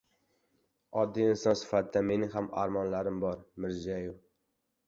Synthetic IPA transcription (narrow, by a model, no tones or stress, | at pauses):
ɒd̪ːiɪnsɒnsɪ̥fat̪d̪ame̞nɪɦama̰ɾmɒnlaɾɪmbɒɾmɪɾziajɪw